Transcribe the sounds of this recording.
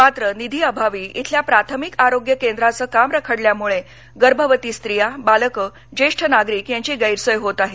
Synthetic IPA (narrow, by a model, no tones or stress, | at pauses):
mat̪ɾənid̪ʱiːəbʱaʋiːḭt̪ʰljapɾat̪ʰəmikaɾoɡjəkend̪ɾat͡səːkamɾəkʰəɽljamuɭe | ɡəɾbʱəʋət̪iːst̪ɾijabaləkə | d͡ʑeʂʈʰənaɡɾiːkjãɲt͡ɕiːɡəjɾsəjɦot̪aɦe